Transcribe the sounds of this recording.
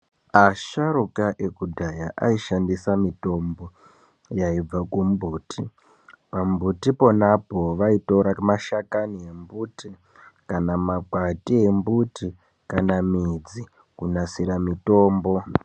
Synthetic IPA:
aʃaɾukaʔe̞kudʱajaʔaiʃandisamito̞mbo̞ | jaib͡vakumbuːtʰi | pambutipo̞napo̞ʋaitoɾamaʃakanie̞mbuti | kanamakwatiembuti | kanamid͡zi | kunasiɾamito̞ːmbo̞

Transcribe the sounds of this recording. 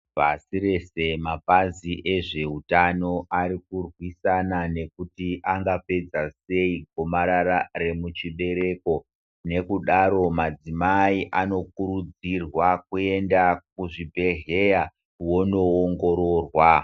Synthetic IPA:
pasiɾe̞se̞mapaziʔe̞ʐe̞utano̞ʔaɾikurwisanane̞kutiʔaŋɡape̞d͡zase̞iɡʱomaɾaɾare̞mut͡ʃiɓe̞ɾe̞ko̞ | ne̞kuɗaɾo̞mad͡zimaiʔano̞kuɾud͡zirwak̚ue̞ndak̚uʐibʱe̞ɦeja | wo̞no̞oŋɡo̞ɾoːrwa

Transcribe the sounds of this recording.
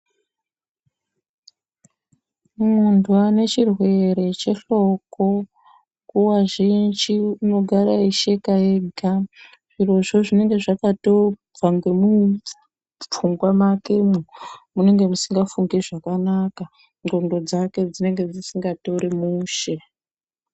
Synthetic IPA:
mundwane̞t͡ʃirwe̞ɾe̞t͡ʃe̞ɬo̞ko̞ | kuwaʒind͡ʒiuno̞ɡʱaɾaiʃe̞kaeɡʱa | ʐ̥iro̞ʐo̞ʐine̞ŋɡe̞ʐakato | b͡vaŋɡe̞mu | uŋɡwamakemumune̞ŋɡe̞musiŋɡafuŋɡeʐakanaka | ŋɡo̞ndo̞d͡zake̞d͡zine̞ŋɡe̞d͡zisiŋɡato̞ɾemuːʃe̞

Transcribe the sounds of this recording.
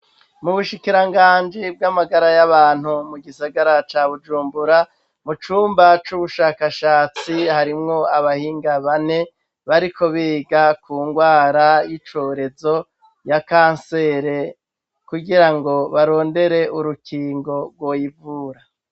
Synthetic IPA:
muβuʃikiɾaŋɡaːnd͡ʒib̚ɡamaɡaɾajaβaːn̥humuɡisaɡaɾat͡ʃaːβud͡ʒuːmbuɾa | mut͡ʃuːmbat͡ʃuβuʃaːkaʃaːt͡sihaɾimŋo̞aβahiːŋɡaβane̞ | βaɾiko̞βiːɡakuːŋɡwaːɾajit͡ʃo̞ɾe̞zo̞ | jakaːnse̞ːɾe̞ | kuɡiɾaŋɡo̞βaɾo̞ːnde̞ɾe̞ʔuɾukiːŋɡo̞ɡɡwo̞ːjivuːɾa

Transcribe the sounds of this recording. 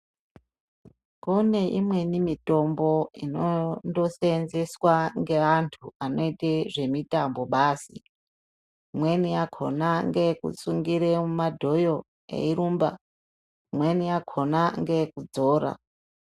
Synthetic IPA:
kune̞ʔimwe̞nimito̞mbo̞inondo̞senze̞swaŋɡe̞ʋantʰuano̞iteʐe̞mitambo̞ɓaːsḭ | mwe̞nijakʰo̞̰naŋɡe̞kṵsuŋɡiɾemumadʱo̞jo̞ | ḛiɾuːmba̰ | mwe̞nijakʰo̞naŋɡe̞kud͡zo̞ːɾa̰

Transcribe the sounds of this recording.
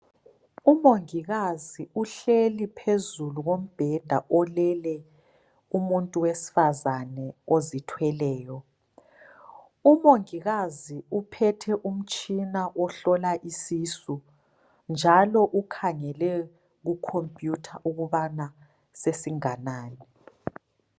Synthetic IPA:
umoŋiɣaziuɬelipʰezuluɣom̩b̥ʱɛd̥ʱaʔɔlɛlɛ | umuntʼuwesi̥fazanɛozitʰwɛlɛːjɔ | umoŋiɣaziupʰɛtʰɛʔum̩t͡ʃʼinaʔɔɬɔlaʔisiːsu | nd͡ʒʱalɔʔukʰaŋɛlɛ | ɣukʰompʼjutʰaʔuɣuβana | sesiŋanaːni

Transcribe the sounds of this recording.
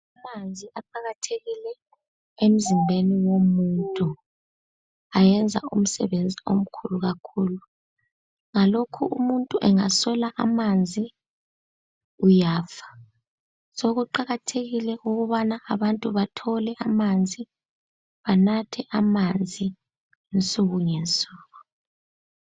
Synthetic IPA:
amand͡zʱiʔaǃaɣatʰeɣilɛ | em̩zimbʱeniwomuntʼu | ajɛnd͡zʱa̰um̩sɛ̰βend͡zʱiom̩kʰuluɣakʰuːlu | ŋalokʰṵʔumuntʼuʔɛŋaswɛlaʔamand͡zʱi | ujaːfḁ | soɣuǃaɣatʰeɣilɛuɣuβanaʔːβantʼuβatʰɔlɛʔamand͡zʱi | βanatʰɛʔamand͡zʱi | int͡sʼuɣuŋent͡sʼuːɣu

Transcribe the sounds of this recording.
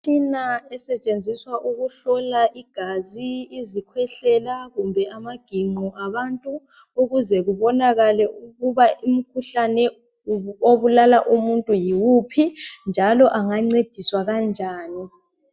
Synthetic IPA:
tʰʼinaɛsɛt͡ʃʼend͡zʱiswaʔuɣuɬɔlaʔiɡ̥ʱaziːzikʰwɛɬɛlaɣumbʱɛʔamaɡ̥ʱiŋ͡ǃuʔaβantʼu | uɣuzɛɣuβɔnaɣalɛuɣuβaʔim̩kʰuɬanɛ | oβulalaʔumuntʼujiwupʰind͡ʒʱalɔʔaŋaŋ͡ǀed̥ʱiswaɣand͡ʒʱaːni

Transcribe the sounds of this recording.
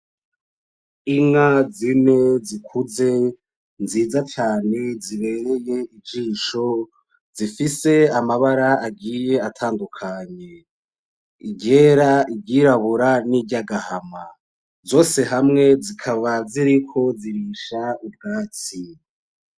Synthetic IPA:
iŋazine̞zikʰuze̞ | nziːzat͡ʃaːne̞ziβe̞ɾe̞je̞ibd͡ʒiːʃo̞ | zifise̞amaβaɾaaɡiːje̞atʰaːndukʰaɲe̞ | iɟe̞ːɾaʔiɟɟiːɾaβuɾaniɟaɡahama | zo̞ːse̞ɦamŋe̞zikʰaβaziɾikʰo̞ziɾiːʃaub̚ɡaːt͡si

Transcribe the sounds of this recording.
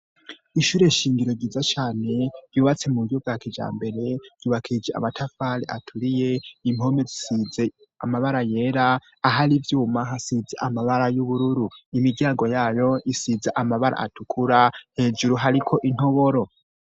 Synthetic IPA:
iʃuːɾe̞ʃiːŋɡiɾo̞ɟiːzat͡ʃaːne̞ɾ̥juːβat͡se̞muɡjobɡaːkid͡ʒa̰ːmbe̞ɾe̞ɾ̥juːβakʰid͡ʒea̰matʰafaɾḛʔatʰuɾijeimo̞me̞zisize̞ | amaβaɾaje̞ːɾaː | ɦaɾivjuːmaɦasizaʔamaβaɾajuβuɾuɾuimiɡɟjaːŋɡo̞jaːjo̞ʔisizaʔamaβaɾʔa̰ʔa̰tukʰuɾahe̞ːd͡ʒuɾuɦaɾikʰo̞ʔin̥hoβo̞ɾo̞

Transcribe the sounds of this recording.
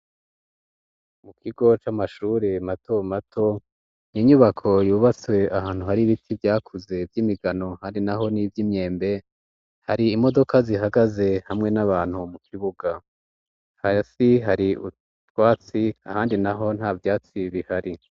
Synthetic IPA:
mukʰiɡo̞t͡ʃamaʃuːɾematʰo̞matʰo̞ | niɲuβakʰo̞juːβat͡swe̞ahaːn̥huhaɾiβitʰivjaːkʰuze̞vjiːmiɡano̞haːndinaɦo̞nivjimɲe̞ːmbe̞ | haɾiːmo̞do̞kaziɦaɡaze̞hamŋe̞naβaːn̥humukʰiβuɡa | hasiɦaɾiṵ | twaːt͡siahaːndinaɦo̞n̥haːvjaːt͡siβihaɾi

